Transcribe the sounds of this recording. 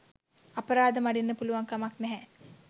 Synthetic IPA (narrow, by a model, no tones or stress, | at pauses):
ɐpəɾaːd̪əmaɖinːəpuluʋaŋkamaknɛɦɛ